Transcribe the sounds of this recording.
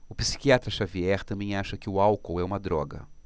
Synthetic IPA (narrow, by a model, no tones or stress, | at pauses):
ʊpi̥si̥kiat̪ɾɐʃaviɛɾt̪ɐ̃mbẽj̃aʃɐkɪʊawkowɛũmɐd̪ɾɔɡɐ̰